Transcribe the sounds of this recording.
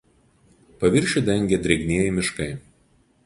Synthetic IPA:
pɐʋʲɪɾʲˑʃʲʊd̪ʲɛŋʲɡʲɛd̪ʲɾʲɛɡʲnʲiɛjɪmʲɪʃkɐɪ

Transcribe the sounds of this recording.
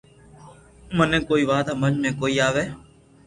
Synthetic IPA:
mənẽːkoːiːʋaːd̪aːməd͡ʒmẽːkoːiːaːʋeː

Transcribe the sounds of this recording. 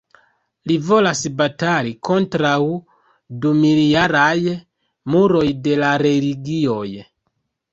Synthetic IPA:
livo̞lasbatalikʰo̞ntɾaw | dumilijaɾaj | muɾo̞jde̞laɾe̞liɡio̞j

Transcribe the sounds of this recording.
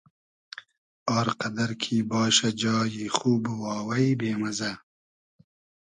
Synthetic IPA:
ɑːɾqɐd̪ɐɾkʰiːbɑːʃɐd͡ʒɑːjiχuːbwɑːwɐjbeːmɐzɐ

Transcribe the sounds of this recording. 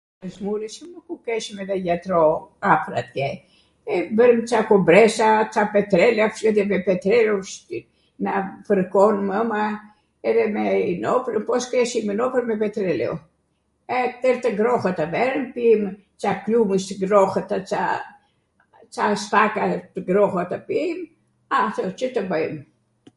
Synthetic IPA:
əsmuɾisuməkukɛʃmɛðɛjat̪ɾɔafɾa̰t̪ɡɛ | ɛbəɾəmt͡ʃakɔbɾɛsat͡ʃapɛt̪ɾɛlafʃɛðɛmɛpɛt̪ɾɛluʃ | nafəɾkɔnməma | ɛðɛmɛnɔpɾəpɔskɾɛʃimənɔpəɾmɛpɛt̪ɾɛlɛ̰ɔ̰ | ɛt̪ɛɾt̪əɡɾɔxət̪avɛɾənpim | t͡ʃapluməst̪əɡɾɔxət̪at͡sa | t͡sastakat̪əɡɾɔxat̪apim | aθɔt͡ʃət̪əbəjm

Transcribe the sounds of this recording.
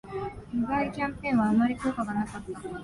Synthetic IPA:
miɡaikʲãmpẽ̞ɰ̃βaːmaɾʲikoːkaɡanakat̪ːa

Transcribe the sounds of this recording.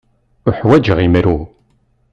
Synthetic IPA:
ʊħwæd͡ʒʁimɾu

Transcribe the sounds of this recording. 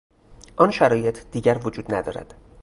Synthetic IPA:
ʔɒːnʃæɾɒːje̞t̪ʰd̪̥iːɟæɾvod͡ʒuːd̪̥næd̪ɒ̰ːɾæ̰d̪̥

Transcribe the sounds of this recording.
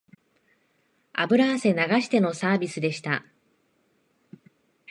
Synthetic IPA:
a̰bɯ̟ɾaːse̞naɡaɕi̥t̪e̞nosaːbʲisɨd̪e̞ɕi̥t̪a̰

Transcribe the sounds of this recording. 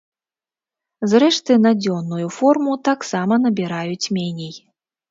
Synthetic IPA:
zɾɛʂt̪ɨnad͡zʲɔnːujufɔrmut̪aksamɐn̪ɐbʲiɾajut͡sʲmʲenʲij

